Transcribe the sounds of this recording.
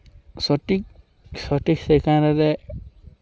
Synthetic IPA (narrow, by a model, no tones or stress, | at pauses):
sɔʈik̚ | sɔʈiksekaɾaɾɛ